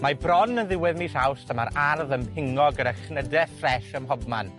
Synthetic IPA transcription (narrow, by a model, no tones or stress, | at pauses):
mabrɔnənðɪwɛðmiːsawstʰəmaɾarðəmhɪŋɔɡəɾəχnədɛfrɛʃəmɦɔbma̰n